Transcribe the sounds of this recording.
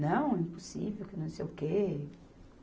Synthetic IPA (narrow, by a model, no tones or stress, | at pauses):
nɐ̃w̃ɛĩposḭvewkɪnɐ̃w̃sejʊke